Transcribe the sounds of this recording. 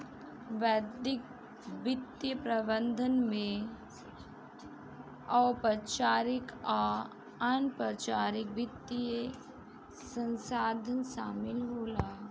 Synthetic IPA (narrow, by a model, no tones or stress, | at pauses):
ʋɛːd̪ɪk̚ | bɪt̪jəpɾɐbə̃nd̪ʱənmẽ | ɐːpət͡ʃaːɾɪka | ɐnpət͡ʃaːɾɪk̚bɪt̪ːie | sə̃nsaːd̪ʱənʃaːmɪlɦoːlaː